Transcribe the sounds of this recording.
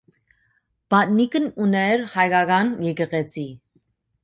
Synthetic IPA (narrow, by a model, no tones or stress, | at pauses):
b̥ɑt̪nikənunɛɾhɑjɡɑɡɑnjɛɡəʁɛt͡sʰi